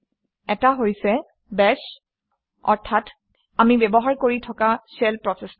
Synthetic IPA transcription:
ɛtaɦojsɛ | bɛs | ɔ̰ɹtʰat | amibɛbɔɦaɹkoɹitʰɔkasɛlpɹɔsɛs

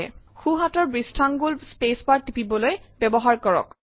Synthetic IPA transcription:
ɛ̰xuɦatɔɹbɹistʰaŋɡulbspespaɹtipibɔlojbɛbɔɦaɹkɔɹɔ̰k

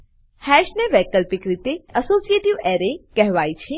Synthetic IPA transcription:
hɛʃneʋɛːkəlpikɾit̪eəsoːsijeʈiʋeːɾekɛɦʋaːit͡ʃʰĩ

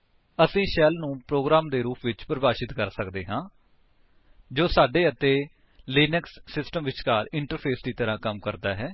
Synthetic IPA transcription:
əsĩːʃɛːlnũːpɾoːɡɾaːmd̪eːɾuːpʋɪt͡ʃpɾəbaːʃɪt̪kəɾsəkd̪eːɦãː | d͡ʒoːsaːɖeːət̪eː | liːnəksːɪsʈəmʋɪt͡ʃkaːɾɪɳʈəɾpʰeːsd̪iːt̪əɾãːkəmkəɾd̪aːɦɛː

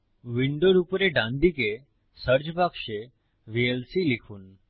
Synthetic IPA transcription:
ʋiɳɖoɖupɾeɖãnd̪ike | səɾd͡ʒbʱakʃe | ʋielsilikʰuːn

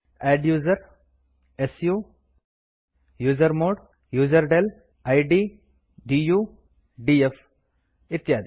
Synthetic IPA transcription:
ɛːɖjuːzɐɾ | esjuː | juːzəɾmoːɖ | juːzɐɾɖel | ajɖiː | ɖiːjuː | ɖief | ɪt̪ːjaːd̪i

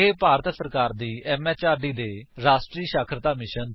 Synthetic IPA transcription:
eːpaːɾət̪səɾkaːɾd̪iːɛːmɛːt͡ʃaːɾɖiːd̪eːɾaːsʈɾiːʃaːkʰɾət̪aːmɪʃən

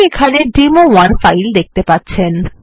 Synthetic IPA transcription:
ekʰaneɖimowaɾfajld̪ek̚t̪epatːɕʰen

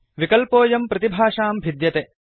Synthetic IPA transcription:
ʋikɐlpoːjɐmpɾɐt̪ibʱaːʂaːmbʱid̪jɐt̪e

